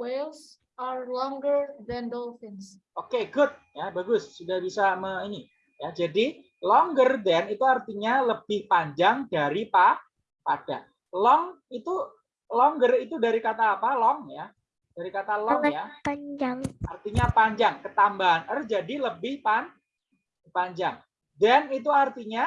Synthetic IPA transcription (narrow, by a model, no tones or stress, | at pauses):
wels | aɾlɔŋɡəɾd̪ɛndɔlfɪns | ʔokeɡʊt̪̚jabaɡʊsːudahbisaməini | jad͡ʒadi | lɔŋɡərdɛnit̪uart̪iɲaləb̥ɪhpaɲd͡ʒaŋdaɾipa | pad̥a | lɔŋ | it̪u | lɔŋɡərit̪udaɾikat̪aːpalɔŋja | d̥aɾikat̪alɔŋja | ʔa̰rt̪iɲapaɲd͡ʒaŋkət̪ambaɦanərd͡ʒadiləbɪhpan | paɲd͡ʒaŋ | danit̪̬uart̪iɲa